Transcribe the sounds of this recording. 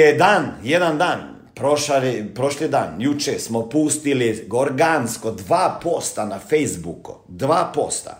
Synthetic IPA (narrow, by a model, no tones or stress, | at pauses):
ed̪aːnjed̪and̪aːn | pɾoʃalipɾoʃlid̪aːnjut͡ʃesmopust̪iliɡoɾɡanskod̪ʋaːpoːst̪anafejzbuku | d̪ʋaːpo̞̰st̪a̰